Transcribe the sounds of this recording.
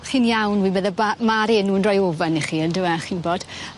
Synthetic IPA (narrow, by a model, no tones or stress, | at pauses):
χiːnjawnwiːmɛðabamaɾɪnuːnrɔjovɛniχiːəndɪwaχiːnboːd̥